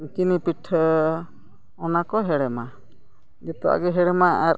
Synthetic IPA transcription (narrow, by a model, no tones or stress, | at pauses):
ikinipiʈʰə | ɔnakɔɦɛɽɛma | d͡ʒɛt̪ɔa̰ɡɛɦɛɽɛmaaɾ